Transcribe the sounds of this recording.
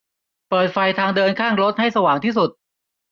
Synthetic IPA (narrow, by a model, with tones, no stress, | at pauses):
pɤː˨˩t̪̚fa˧jt̪ʰaː˧ŋdɤː˧nkʰaː˥˩ŋɾo˦˥t̪̚ha˥˩jsa˧waː˩˦ŋt̪ʰiː˥˩su˨˩t̪̚